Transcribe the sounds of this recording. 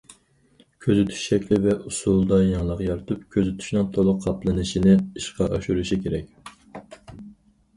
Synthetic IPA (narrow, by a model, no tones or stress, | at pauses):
kʲʰøzyt̪ʰy̥ʃʃɛkʲlɪvɛʔusulˠd̪ɑjɑŋlˠɑqjɑɾɨt̪ʰupkʲʰøzyt̪ʰy̥ʃnɨŋt̪ʰolˠʊqqʰːɑplˠɨnɨʃinɪiʃqʰɑʔɑʃuɾuʃikʲʰeɾɛkʲ